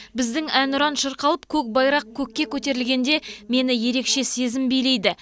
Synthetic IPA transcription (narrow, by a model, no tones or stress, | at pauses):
bɪzd̪ɪŋænʊɾɑnʃəɾqɑlˠəpkʲʰɵk̚bɑjɾɑq̚kʲʰɵkʲːe̞kʲʰɵt̪e̞ɾɪlɡʲe̞nd̪e̞me̞nɪje̞ɾe̞kʃe̞se̞zɪmbijle̞jd̪ɪ